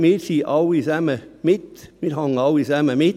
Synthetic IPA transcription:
miːɾsiːʔɑwisæməmɪt̪mɪɾhɑŋəɑwisæməmɪ

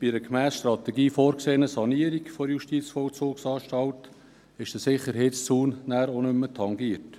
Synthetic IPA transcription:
b̥iɾəkmæːsʃtrɑtɛɡiːfoːɾkseːnəsɑniəɾiɡfɔdjuʃtiːt͡sfɔlt͡soːksɑːʃtɑlt | ɪʃd̥əsɪχːəɾɦɛːtst͡suːnnæːɾonʏmːətʰɑŋɡiəɾt

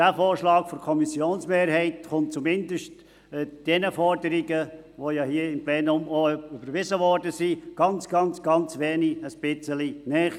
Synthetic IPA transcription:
d̥æfoːrʃlɑːkfɔɾkʰɔmisjoːnsmeːɾhɛɪtχʊnt̚t͡sumɪndəʃtː | d̥ɛnəfɔɾdəɾiɡə | ʋojɑhiəɪmpleːnʊmoʏb̥əɾʋɪzəʋɔrdəsiɡ̥ɑnt͡sɡ̥ɑnt͡sɡ̥ɑnt͡sʋeːniəspɪt͡səlinɛ

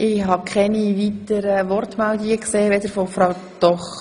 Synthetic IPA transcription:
ʔɪɦɑkʰχɛniʋiːtəɾəʋɔrtmɛld̪ɪɡəkseːʋed̪əɾfɔfɾaʊ | d̪̥ɔχ

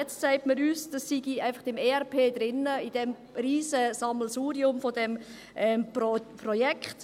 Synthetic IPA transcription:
jɛt͡stsaɪtməɾyːsd̥ɑsːiɡiaɪfɑχd̥ɛmeːɛʁpʰeːd̥ɾɪnəid̥ɛm | riːzəsɑml̩suːɾiʊmfodɛm | ʔɛmpprɔjɛkχt

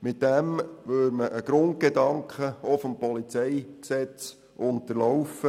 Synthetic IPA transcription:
mɪt̚d̥æmʋøɾməʔəɡ̥ɾʊnt̚ɡ̥edɑŋkχəofompɔlit͡sɛjksɛt͡s | ʔʊntəɾlɔwfə

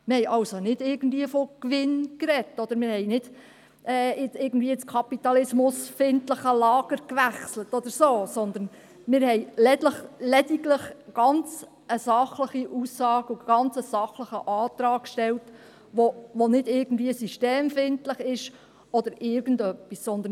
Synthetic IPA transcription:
mɪɾhɛjʔɑwsonɪd̥ɪːɾɡən̩dviəfɔkʋɪnkɾɛtːɔd̪̥əɾmɪːɾhɛɪnɪd̥ | ʔɛːɪt͡sɪɾɡən̩d̥viːət͡skʰɑpit̪ɑlɪsmʊsfɪntləχəlɑːɡ̥əɾkʋæχslətɔd̪əɾsoːsɔnd̪ən | mɪːɾhɛjlɛtləχlɛdiɡləχɡ̥ɑnt͡s | əsɑχləχiʔusːɑːɡuɡ̥ɑnt͡səsɑχləχəʔɑːt̪ɾɑːkʃtɛlt | ʋoʋonɪdɪɡən̩dviəsyʃteːmfɪntləχɪʃ | ɔd̪əɾɪɾɡ̥ən̩dœpːissɔnd̪ən

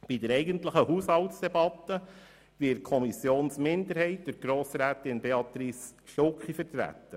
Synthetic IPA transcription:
b̥idəɾɛɪɡəntləχəhushɑltsd̥̪ɛbɑt̪ːə | vɪkʰɔmisjoːnsmɪnd̪əɾhɛɪtd̥øɾɡ̥ɾoːsɾæːtɪnbeɑt̪ɾisʃtokχifəɾt̪ɾæ̰t̪ːə

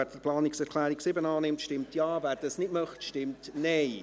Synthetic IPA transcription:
ɛɾd̥əpʰlaːnɪksɛɾkʰlɛːɾɪksɪbənaːnɪmtʃtɪmtjaːvɛɾdəsnɪt̚mɑχtʃtɪmtneɪ

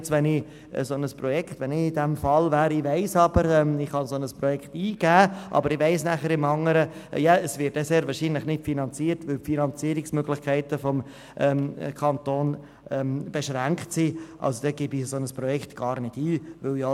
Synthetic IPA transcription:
t͡sʋɛnɪ | ə̰sonəsprɔjɛkχt̪ʋɛnɪɪdɛmfɑlvæːɾɪʋæɪsɑb̥əɾɛmɪχhɑnsonəspɾɔjɛkχtiːɡ̥æːʔɑ̰bəɾɪʋæɪsnæχəɾɪmɑŋəɾəjɑːəsʋɪt̚ːɛseːɾvɑːɾʃiːnlɪχnɪtfinɑnt͡siːəɾtʋɪlfinɑnt͡siːəɾɪksmøɡlɪχkʰæɪtəfɔm | ʔɛmkʰɑntoːn | ɛmb̥eʃɾæŋktsiʔɑ̰lsod̥ɛɡ̥ɪbisonəspɾɔjɛkχt̪ɡ̥ɑːɾnɪd̥iːʋɵljɔ

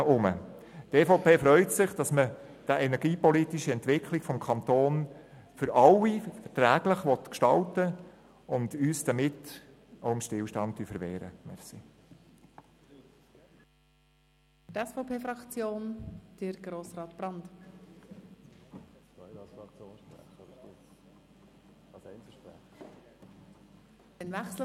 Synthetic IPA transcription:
ʊmə̰ | tɛfoʊpeːfɾœʏtsɪχd̥ɑsmə | d̥əʔɛnɛɾɡiːpɔlitiʃəɛntʋɪkʰlɪɡ̥fɔmkʰɑnt̪oːn | fʏɾɑlːifəɾtɾæːɡ̥ləχʋɔt̪kʃtɑltə | ʊndyːsd̥ɑmɪt | oʊɪmʃtɪlʃtɑnttyfəɾʋɛːɾə̰mɛ̰sḭ | tɛsfɔpʰeːfɾɑkt͡sjoːnd̥əɾɡɾoːsrɑːt̪b̥ɾɑnt̪ | ko̰ | sɛnpæ̰ | dɛnvɛχs

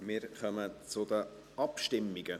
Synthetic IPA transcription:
mɪːɾχœmət͡sʊd̪ə | ɑpʃtɪmːiɡ̥ə

